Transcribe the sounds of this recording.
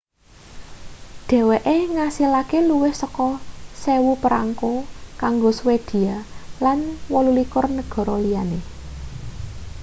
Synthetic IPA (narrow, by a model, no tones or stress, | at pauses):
ɖ̪̥ɛ̤weʔeŋasilakeluwɪhsəkɔsewupəɾa̰ŋkokaŋɡoswed̪̥i̤alanwɔlulikʊrnəɡ̥ɔ̤ɾɔlijane